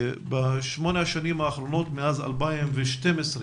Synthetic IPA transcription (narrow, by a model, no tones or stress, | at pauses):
baʃmoneʃanimaːχɾonot̪meaza̰lbaimveʃt̪emesɾi